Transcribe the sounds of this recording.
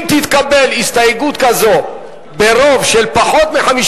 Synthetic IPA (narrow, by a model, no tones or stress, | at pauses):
mt̪it̪kabe̞list̪ajeɡut̪kazo̞ | beɾo̞vʃelpaχo̞t̪meħamiʃ